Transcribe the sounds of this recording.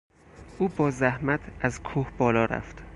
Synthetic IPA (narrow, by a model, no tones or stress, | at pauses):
ʔuːbɒːzæhmæt̪ʰæzkʰuːhbɒːlɒːɾæ̰ft̪